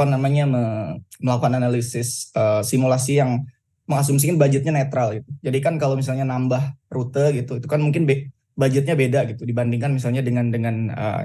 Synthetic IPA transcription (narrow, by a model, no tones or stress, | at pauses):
anamaɲaməməlakuananalisɪsəːsimulasijaŋ | məŋas̬ums̬ikanbad͡ʒɪt̪̚ɲanet̪ɾalɡit̪ud͡ʒadikankalomis̬alɲanambahrut̪əɡit̪uit̪ukanmuŋkɪnbe | bad͡ʒɪt̪̚ɲabedaɡit̪udibandiŋkanmis̬alɲadəŋandəŋanə̰